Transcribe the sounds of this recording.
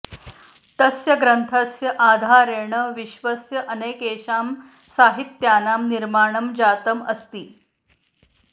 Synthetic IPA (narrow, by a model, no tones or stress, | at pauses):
t̪əsjɐɡɾənt̪ʰəsjɐʔaːd̪ʱaːɾeːɳəʋiɕʋəsjɐʔəneːkeːɕaːm | saːɦit̪jaːnaːmniɾmaːɳəmd͡ʑaːt̪əmə̰st̪iː